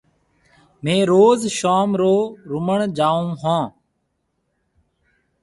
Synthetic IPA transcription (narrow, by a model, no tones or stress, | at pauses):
mẽːɾoːzʃaːmɾoːɾʊməɳd͡ʒaːũːɦãː